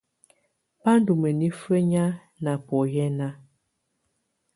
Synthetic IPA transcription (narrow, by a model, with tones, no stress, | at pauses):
pa˦n˦du˨mə˨ni˦fə˦ɲa˦ | na˨pɔ˨jɛ˦na˦